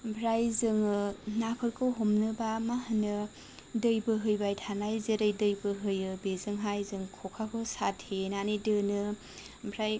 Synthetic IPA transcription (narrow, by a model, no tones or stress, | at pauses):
bʱɾajzɯŋɯnakʰɯɾkʰɯɦomnɯbamaɦɯnɯ | dɯjbɯɦɯjbajtʰanajzɯɾɯjdɯjbɯɦɯjɯbezɯŋɦajzɯŋkʰɔkʰakʰɯsatʰhenanɯdɯnɯ | bʱɾaj